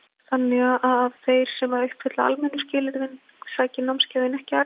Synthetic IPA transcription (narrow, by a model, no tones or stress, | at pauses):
θanːɛɣaʔaðavθejɾ̥sɛmvaɾœhpvʏt̪laa̰lmɛnːʏscɪːlɪɾðɪn | saːcɪnawmscaːðɪnɛhcɪa